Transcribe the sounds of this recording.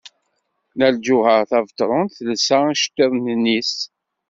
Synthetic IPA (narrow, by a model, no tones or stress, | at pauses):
næld͡ʒuhəɾθævt̪ˤɾˤʊnθlsæʃt̪ːəðˤnənis